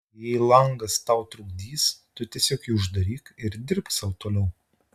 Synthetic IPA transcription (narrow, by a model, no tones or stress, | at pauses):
jɛɪlˠɐŋɡɐst̪ɐʊt̪ɾʊɡ̚d̪ʲiːst̪ʊt̪ʲiɛsʲoːkɛɪʊʒd̪ɐɾʲiːkɪɾd̪ʲɪɾpsɐʊt̪oːlʲɛʊ